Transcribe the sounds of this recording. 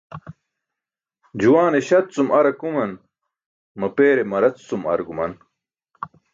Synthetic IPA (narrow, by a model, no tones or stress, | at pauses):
d͡ʑuwaːneɕɐt̪t͡sumɐɾɐkumɐn | mɐpeːɾemɐɾɐt͡st͡sumɐ̰ɾɡumɐn